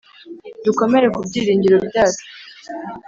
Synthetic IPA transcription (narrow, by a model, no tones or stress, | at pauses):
duko̞me̞ɾe̞kubɟiːɾiːɲɟiɾo̞bjaːt͡ʃu̥